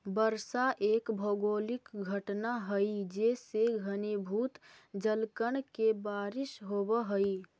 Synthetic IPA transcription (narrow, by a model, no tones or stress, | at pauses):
bəɾsaʔeːkbʱoɡoːlɪkɡʱəʈnaɦəid͡ʒeːseɡʱənebʱuːt̪d͡ʒəlkəɳ̃kebaːɾɪʃɦobəɦəi